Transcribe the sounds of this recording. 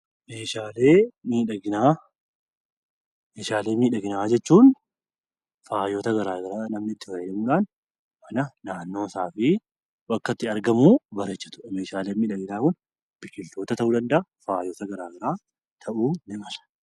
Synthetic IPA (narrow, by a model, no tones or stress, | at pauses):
meːʃaːle̞ːmiːᶑɐɡɪnaː | meːʃaːle̞ːmiːᶑɐɡɪnaːd͡ʒɛt͡ʃːuːn | faːjo̞ːt̪ɐɡɐɾaːɡɐɾaːnɐmnɪt̪ːɪwɐɛᶑɐmuːᶑaːn | mɐnɐnaːnːo̞ːsaːfɪ | wɐkːɐt̪ːɪɐɾɡɐmuːbɐɾet͡ʃːɐt̪ʊ̥ɐme̞ːʃaːle̞ːmiːᶑɐɡɪnaːkʊn | b̥ɪkːɪlt̪o̞ːt̪ɐt̪ɐʔuːd̪ɐnd̪ɐafaːjo̞ːt̪ɐɡɐɾaːɡɐɾaː | t̪ʰɐʔuːnɪmɐlɐ̥